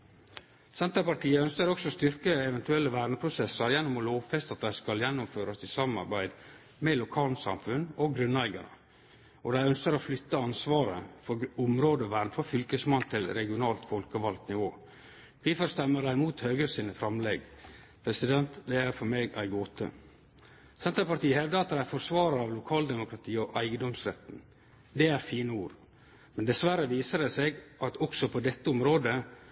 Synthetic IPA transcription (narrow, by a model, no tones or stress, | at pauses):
sɛnt̪əpɑɾt̪ʰiːəœnskəɾɔksɔst̪ʏɾkəɛʋɛnt̪ʉɛlːəʋæːɾɳəpʰɾʊsɛsəɾjɛnːʊmɔloːʋfɛst̪ɑt̪̚d̪æɪskɑljɛnːʊmføːɾɑsɪsɑːmɑ̰ɾbæɪd̪ | mɛlʊkʰɑːlnsɑ̰mfʉnɔɡɾʉnːæɪɡɑ̰ɳə̰ | ɔd̪æɪœnskəɾoflʏt̪ːəɑnsʋɑːɾə̰fɔɾʊmɾoːd̪əɔʋæːɾnfɔfʏlkəsmɑnt̪ʰɪlɾɛɡɪʊnɑːlt̪fɔlkəʋɑlt̪nɪʋoː | ʋɪfɔɾst̪ɛmːəɖæɪmuːt̪høːɡɾəsiːnəfɾɑmlɛɡ | pʰɾɛsɪd̪ɛnt̪d̪ɛæɾfɔɾmeːɡæ̰ɪɡoːt̪ə̰ | sɛnt̪ɾəpɑʈt̪iːəhɛʋd̪əɑt̪̚d̪ɛæɾfɔɾsʋɑːɾəɑʋlʊkʰɑːld̪ɛmʊkɾɑt̪ʰiːɔʔæɪɡənd̪ɔmsɾɛ̰t̪n̩ | d̪ɛæɾfiːnəuːɾ | mɛnd̪ɛsʋæɾəʋiːsəɖɛseɡʔɑt̪ɔksɔpʰɔd̪ɛt̪ːəʊmɾoːd̪ə